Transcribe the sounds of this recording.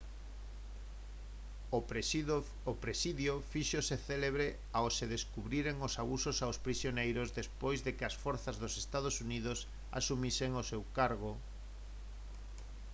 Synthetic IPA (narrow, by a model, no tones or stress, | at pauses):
opɾesiðjofiʃoseθeleβɾe | aoseðeskuβɾiɾeŋosaβusosawspɾisjonejɾozðespojzðekeasfɔɾθazðosest̪að̞osuniðos | a̰sumiseŋosewkaɾɣo